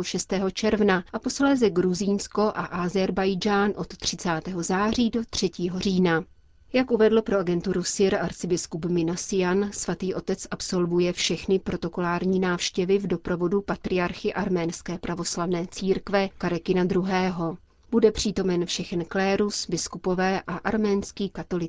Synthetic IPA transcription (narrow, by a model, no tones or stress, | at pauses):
oʃɛst̪ɛːɦo̞t͡ʃɛɾvnaʔapo̞slɛːzɛɡɾuziːnsko̞ʔaʔazɛɾbajd͡ʒaːnʔo̞t̪t̪ːr̝̥ɪt͡saːt̪ɛːɦo̞zaːr̝iːdo̞t̪r̝̥ɛciːɦo̞r̝iːna | jakʔuvɛdl̩pɾo̞ʔaɡɛnt̪uɾusɪɾaɾt͡sɪbɪskupmɪnasɪjansvat̪iːʔo̞t̪ɛt͡sʔapso̞lvujɛfʃɛxnɪpɾo̞t̪o̞ko̞laːɾɲiːnaːfʃcɛvɪvdo̞pɾovo̞dupat̪ɾɪaɾxɪʔaɾmɛːnskɛːpɾʔavo̞slavnɛːt͡siːɾkvɛkaɾɛkɪnad̪ɾuɦɛːɦo̞ | b̥udɛpr̝̥iːt̪o̞mɛnfʃɛxɛnklɛːɾusbɪskupo̞vɛːʔaʔaɾmɛːnskiːkat̪o̞lɪ